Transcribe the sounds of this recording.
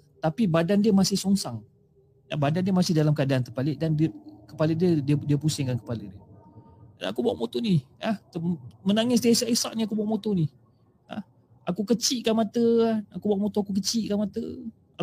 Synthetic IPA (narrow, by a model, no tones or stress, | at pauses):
t̪apibadandiəmasɪhsɔŋsaŋ | ja̰badandiəmasɪhdalamkəadaant̪ərpalɪʔdandkəpalədiədiədiəpusɪŋkankə̥palədiə | da̰na̰kubaa̰ʔmot̪oniaht̪əmənaŋɪs̬dasaʔisa̰ʔniakubaaʔmot̪oni | a̰ | ʔakukət͡ʃiʔkanmat̪əaakubaaʔmot̪oakuk̬ət͡ʃiʔkanmat̪ə | a